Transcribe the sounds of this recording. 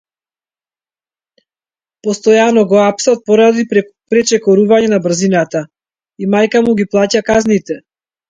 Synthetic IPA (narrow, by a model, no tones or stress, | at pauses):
pɔst̪ɔjanɔɡɔapsat̪̚pɔɾad̪i | pɾɛt͡ʃɛkɔɾuvaɲɛnabr̩zinat̪a | imajkamuɡiplˠacakaznit̪ɛ